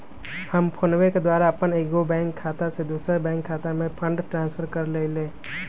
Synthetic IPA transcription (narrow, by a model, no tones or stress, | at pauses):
həmpʰonweked̪waːɾaɐpəneːkɡobɛ̃ːŋkʰːaːt̪ased̪uːsɾebɛ̃ːŋkʰːaːt̪amẽpʰə̃ɳɖʈɾãːnspʰəɾkəɾleːleː